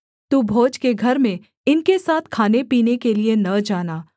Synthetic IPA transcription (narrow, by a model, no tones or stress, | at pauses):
t̪uːbʱoːd͡ʒkeɡʱɐɾmẽ | ɪnkesaːt̪ʰkʰaːnepiːnekelienɐd͡ʒaːnaː